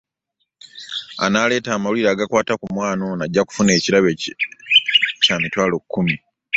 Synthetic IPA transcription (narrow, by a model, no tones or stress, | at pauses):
a̰nale̞ːtaːmawuliɾaːɡakwaːtakumwaːno̞naɟːaku̥fune̞ːciɾaβe | camitwaːlo̞kːumi